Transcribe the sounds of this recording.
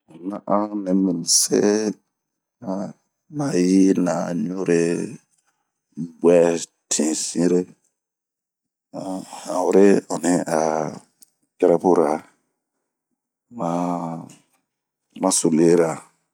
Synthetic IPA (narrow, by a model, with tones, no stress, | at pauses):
nã˦ʔã˦nɛ˨mĩ˨n˨se˦ | a˦ | ma˨ji˦na˨ɲũ˦ɾe˦ | bɛ˦ | tʰĩ˨sĩ˦ɾe˦ | a˨hã˨wu˨ɾe˦ɔ˨ni˦a˨ | kɛ˦ɾɛ˦po˦ɾa˨ | ma˦ | mã˦so˨le˦ɾa˨